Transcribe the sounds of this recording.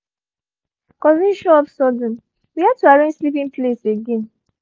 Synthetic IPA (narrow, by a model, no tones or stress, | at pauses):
kɔzĩʃɔɔpsɔdɔ̃n̩ | wihad̚tuaɹẽd͡ʒslipĩŋpleseɡɛ̃n